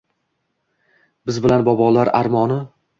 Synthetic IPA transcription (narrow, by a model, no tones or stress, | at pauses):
bɪzbɪlanbɒbɒlˠaɾaɾmɒnɪ